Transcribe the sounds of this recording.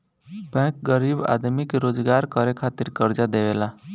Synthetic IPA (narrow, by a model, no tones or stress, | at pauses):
bɛ̃k̚ɡəɾiba̰d̪mikɾoːd͡ʒɡaɾkəɾekʰat̪iɾkəɾd͡ʒad̪eʋela